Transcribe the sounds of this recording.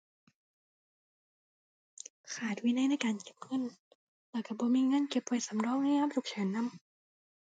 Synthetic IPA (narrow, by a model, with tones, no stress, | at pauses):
kʰaː˨˩t̪̚wi˧˥na˧˥˨jna˧˥˩jkaː˧nke˨˩p̚ŋɤ˧˥˨n | lɛː˧˩ka˧˩bɔː˧˦miː˧˨ŋaː˧˥˨nke˨˧˩p̚wa˧jsa˨˦mɾɔː˧˥˨ŋ̚na˧˥˨haː˧˥p̚t̪u˨˩k̚t͡ɕʰɯː˩˦nːa˧˥˨m